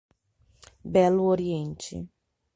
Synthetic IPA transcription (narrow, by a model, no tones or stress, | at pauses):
bɛlʊoɾiẽnt͡ʃɪ̰